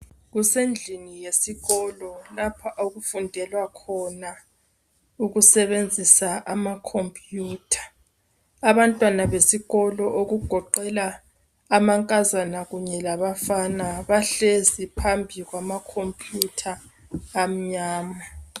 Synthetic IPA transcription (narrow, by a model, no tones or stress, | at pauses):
ɣusend͡ɮʱinijesiɣɔlɔlapʰaʔoɣufundʱɛlwakʰɔna | uɣusɛβend͡zʱisaʔamakʰompʼjuːtʰḁ | aβantʼwanaβesiɣɔlɔʔoɣuɡ̥ʱɔǃɛlaː | maŋkʼazanaɣuɲɛlaβafanaβaɬezipʰambʱiɣwamakʰompʼjutʰaː | m̩ɲaːma